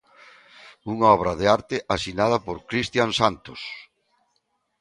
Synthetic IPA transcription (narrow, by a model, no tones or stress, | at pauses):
uŋaɔβ̞ɾaðeaɾt̪eʔasinað̞ɐpoɾkɾist̪jansant̪os